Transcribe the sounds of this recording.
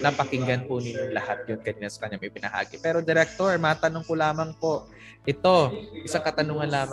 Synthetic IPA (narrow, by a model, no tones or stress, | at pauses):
nɐpɐkɪŋɡɐnpʊnɪɲːoŋlɐhat̪̚jonkɐɲnasɐ̥kɐɲːamɐjpɪnɐha̰ːɡɪpɛːɾo̞d̪ɛɾɛk̚t̪oɹmɐat̪ɐnoŋkʊlaːmɐŋpo̞ʔ | ʔɪt̪o̞ʔɪsaŋkɐt̪ɐnoŋɐnlaːm